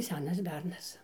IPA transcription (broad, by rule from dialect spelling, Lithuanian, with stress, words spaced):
ˈsʲæːnɐs ˈbʲɛrnɐs